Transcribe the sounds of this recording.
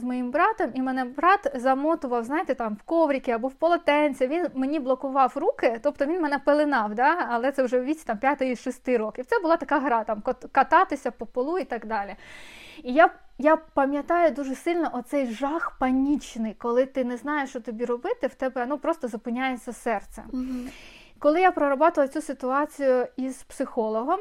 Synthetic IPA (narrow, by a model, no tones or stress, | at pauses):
zmɔjimbɾɑt̪ɔmimɛnɛbɾɑt̪zɐmɔt̪ʊʋɐwznɑjɪt̪et̪ɑmwkɔʋɾʲikʲɪjabuwpɔlˠɔt̪ɛnʲt͡sʲɐʋʲinmenʲiblˠɔkʊʋɑwrukɪt̪ɔp̚t̪ɔʋʲinmɛnɛpelˠɪnɑwd̪ɑːlˠɛt̪sɛwʒɛʋʲit͡sʲit̪ɑmpʲjat̪ɪiʃɔsʲt̪ɪɾɔkʲiwtsɛbʊlˠɑt̪ɐkɑɦɐɾɑt̪ɑmkɔt̪kɐt̪ɑt̪ɪsʲɐpɔpɔlˠuit̪ɐɡd̪ɑlʲi | ijajapɐmʲjɐt̪ɑjʊd̪uʒɛsɪlʲnɔʔɔt̪sɛjʒɑxpɐnʲit͡ʃnɪjkɔlˠɪt̪ɪnɛznɑjeʃt͡ʃɔt̪ɔbʲiɾɔbɪt̪ɪwt̪ɛbɛnɔpɾɔst̪ɔzʊpɪnʲajet͡sʲːɐsɛrt̪sɛ̰ | kɔlˠɪjapɾɔɾɔbɑt̪ʊʋlˠɐt͡sʲusɪt̪ʊɑt͡sʲijʊiz̥psɪxɔlˠɔɦɔm